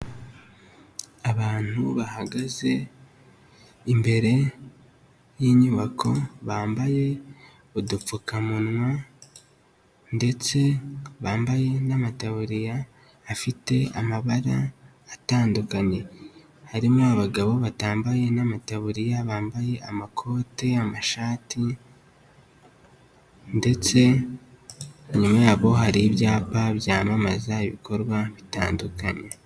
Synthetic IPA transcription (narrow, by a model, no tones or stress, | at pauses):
aβaːn̥huβahaɡaze̞ | imbe̞ɾe̞ | jiːɲuːβakʰo̞βaːmbaje̞ | odup͡fukamunwa | nde̞t͡se̞βaːmbaje̞namataβuɾijaː | fite̞a̰maβaɾaː | taːndukaɲe̞ | haɾimoaβaɡaβo̞βataːmbaje̞namataβuɾijaβaːmbaje̞amakʰo̞ːteamaʃaːti | nde̞t͡se̞ | ɲumajaːβo̞ɦaɾibjaːpaβjaːmamazaiβikʰo̞ɾɡwaβita̰ːndukaɲe̞